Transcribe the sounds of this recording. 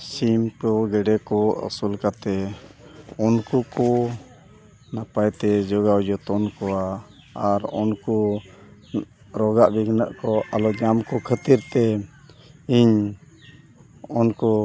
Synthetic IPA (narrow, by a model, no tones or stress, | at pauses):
simkɔɡɛɖɛkɔʔṵsulkat̪ɛ | ɔnkukɔ | napajt̪ɛd͡ʒɔɡawd͡ʒɔt̪ɔnkɔwa | aɾɔnkɔ | ɾɔɡaʔbiɡnəʔkɔʔalɔd͡ʒamkɔkʰət̪iɾt̪ɛ | iɲ | ɔnkɔ